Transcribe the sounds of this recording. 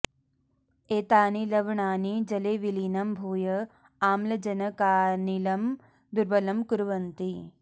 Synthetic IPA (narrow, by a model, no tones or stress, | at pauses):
eːt̪aːnilɐʋɳaːnid͡ʒɐleːʋiliːnɐmbʱuːjɐ | aːmlɐd͡ʒɐnɐkaːnilɐm | d̪uɾbɐlɐmkuɾʋɐnt̪i